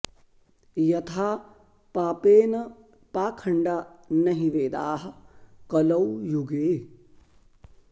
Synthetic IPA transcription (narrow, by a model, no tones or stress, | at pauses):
jɐt̪ʰaː | paːpeːnɐ | paːkʰɐɳɖaːnɐɦiʋeːd̪aːɦɐ̆kɐlɐwjuɡeː